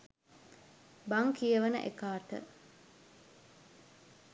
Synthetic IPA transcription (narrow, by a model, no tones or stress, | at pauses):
baŋkijəʋənə̰ʔḛkaːʈ̪ə̰